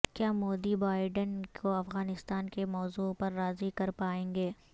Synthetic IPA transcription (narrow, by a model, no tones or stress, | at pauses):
kjaːmoːd̪ibaːɪɖənkoɐfɣaːnɪst̪aːnkemɔːzuːpɐɾːaːzikɐɾpaːẽːŋɡeː